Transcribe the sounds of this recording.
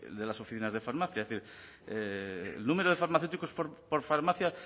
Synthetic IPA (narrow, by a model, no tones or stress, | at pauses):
ḛld̪e̞laso̞fiθinazðe̞faɾmaθjaeeθiɾ | ḛlnumeɾoð̞e̞faɾmaθewt̪ikospoɾpoɾfaɾmaθja